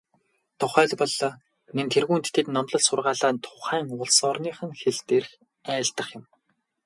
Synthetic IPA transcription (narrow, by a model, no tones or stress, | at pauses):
t̪ʰʊχœːɮʲpɔɮːɔː | nent̪ʰerɣuːnt̪ʰt̪ːʰet̪nɔmt̪ɞ̆ɮsʊrʁaːɮaːnt̪ʰʊχæːŋʊɮsɔrniːχə̆ŋxeɮt̪erx | æːɮt̪ə̆χjʊ̆m